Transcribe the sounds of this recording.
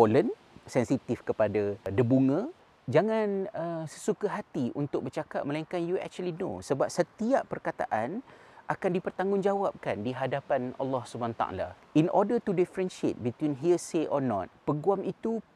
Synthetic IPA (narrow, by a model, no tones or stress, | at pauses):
folən | sɛnsit̪ifkəpadadəbuŋə̃ | d͡ʒaŋãnəsə̥sukaɦat̪iʔṵnt̪ʊk̚bərt͡ʃakat̪̚məlaiŋkanjuɛ̰k̚t͡ʃuəlinõ̰səbap̚sət̪iaʔpərkat̪a̰ʔanʔakandipərt̪aŋɡʊŋd͡ʒawap̚kandiɦadapana̰lːɔhsubanat̪a̰ʔa̰la̰ | inʔɔdət̪udifɾənʃiḛt̪̚bit̪wĩnɦiəseʔɔnɔ̰t̪̚pəɡuamit̪u